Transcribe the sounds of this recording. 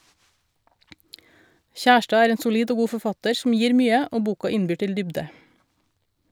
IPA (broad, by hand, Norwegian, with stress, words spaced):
ˈçæʃʈɑː ˈæːɾ ˈeːn sʊˈliːɖ ˈoː ˈɡuː fɔˈfɑtəɾ sm̩ ˈjiːɾ ˈmyːə ˈoː ˈbuːkɑ ˈɪnbyː ˈʈɪl ˈdʏbɖə